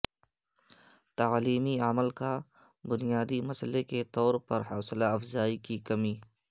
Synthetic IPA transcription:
t̪ɐliːmiaməlka | bʊnijaːd̪imɐsleket̪ɔːɾpɐɾɦɐːslaɐfzaːikikɐmiː

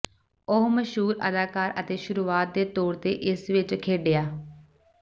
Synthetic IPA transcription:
ʊɦməʃɦuːɾə̰d̪aːkaːɾət̪eːʃʊɾuːaːt̪̚d̪eːt̪oːɽt̪eːʔɪsʋɪt͡ʃkʰeːɖejaː

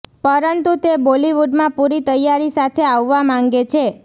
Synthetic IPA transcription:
pəɾənt̪ut̪eboliʋuɖmãpuɾit̪əjaɾisat̪ʰeaʋːamãŋɡet͡ʃʰe

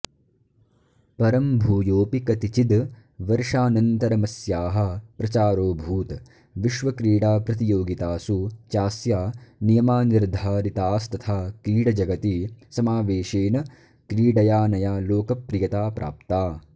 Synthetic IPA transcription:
pɐɾɐmbʱuːjoːpikɐt̪it͡ʃid̪ | ʋɐɾʂaːnɐnt̪ɐɾɐmɐsjaːɦɐ̆pɾɐt͡ʃaːɾoːbʱuːt̪ | ʋiʃʋɐkɾiːɽaːpɾɐt̪̬ijoːɡit̪aːsut͡ʃaːsjaːnijɐmaːniɾd̪ʱaːɾit̪aːst̪ɐt̪ʰaːkɾiːɽɐd͡ʒɐɡɐt̪isɐmaːʋeːʃeːnɐ | kɾiːɖɐjaːnɐjaːloːkɐpɾijɐt̪aːpɾʔa̰ːpt̪aː

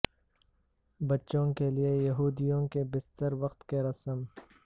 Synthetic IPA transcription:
bɐtːʃõkeliejɐɦuːd̪ijõkebɪst̪əɾʋɐqt̪keɾɐsəm

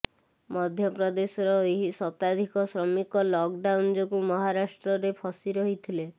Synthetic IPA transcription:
mɔd̪ʱjɔpɾɔd̪esɔɾɔeɦisɔt̪ad̪ʱikɔsɾɔmikɔlɔk̚ɖawnd͡ʒɔkumɔɦaɾasʈɾɔɾepʰɔsiɾɔɦit̪ʰile

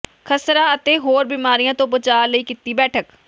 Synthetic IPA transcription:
kʰəsɾaːət̪eːɦoːɾbiːmaːɾijãːt̪õːbət͡ʃaːləiːkit̪iːbɛːʈʰək

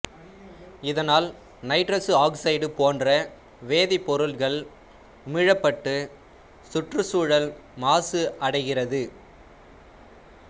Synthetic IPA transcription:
ɪðɐnaːl | nɐɪʈɾɐsɯaːksɐɪɖɯpoːndrɐ | ʋeːðɪpːɔɾɯɭɣɐɭ | ʊmɪɻɐpːɐʈːɯ | sʊʈrɯsuːɻɐlmaːsɯɐɽɐɪɣɪrɐðɯ

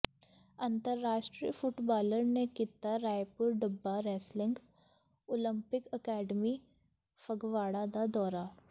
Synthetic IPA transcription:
ɐ̃nt̪əɾːaːʃʈɾḭːfʊʈbaːləɾnekit̪aɾaːjpʊɾɖəbːaɾɛːslɪ̃ŋɡ | olə̃mpɪkəkɛːɖmi | fəɡʋaːɽad̪ad̪ɔːɾa

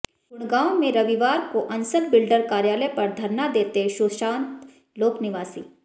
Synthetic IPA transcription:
ɡʊɽ̃ɡaːõmẽɾɐʋiʋaːɾkoʔɐ̃nsəlbɪlɖəɾkaːɾjaːləpɐɾd̪ʱɐɾnad̪eːt̪eʃoːʃãːnt̪ | loːknɪʋaːsḭː

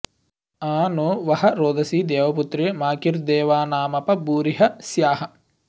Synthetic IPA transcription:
aːnuʋɐhɐɾoːd̪ɐsiːd̪eːʋɐput̪ɾemaːkiɾd̪eːʋaːnaːmɐpɐbuːɾiɦɐsjaːɦɐ̆

